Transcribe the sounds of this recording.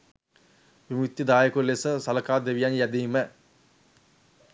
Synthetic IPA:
ʋimut̪ːid̪aːjəkulesəsɐləkaːd̪eʋijanjæd̪iːmə

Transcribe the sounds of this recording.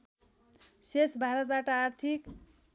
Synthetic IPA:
sesbʱaɾʌt̪̚baʈʌart̪ʰik

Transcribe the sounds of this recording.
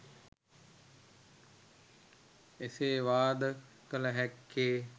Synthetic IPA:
eseːʋaːd̪ə | kələɦɛkːeː

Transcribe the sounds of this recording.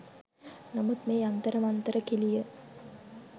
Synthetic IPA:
namud̪meːant̪əɾəmɐnt̪əɾəkilijə

